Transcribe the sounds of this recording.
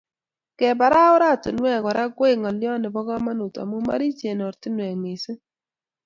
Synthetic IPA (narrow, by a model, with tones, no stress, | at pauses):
kɛ˨ba˨ɾa˦ʊ˦ɾa˦˨tɪ˨nwɛ˦˨ka˨ɾa˦ɡwe˦˨ŋɔ˨ljɔ˦nɪ˨bɔ˦ɡɔ˦ma˦nu˨ta̰˨mʊ˦ma̰˦ɾi˦t͡ʃe˨nɔ˨ɾtɪ˦nwɛ˨ŋŋɪ˨sɪ˦